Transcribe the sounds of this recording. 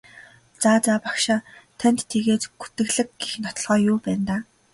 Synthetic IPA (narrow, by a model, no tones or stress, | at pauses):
t͡saːt͡saːpḁkʃaːt̪ʰænʲt̪ʰːeɣeːt̪ɡu̥t̪ɘ̆ɣɮɘ̆k̚ɡixnɔt̪ɞ̆ɮʁœːjʊːpæːnt̪aː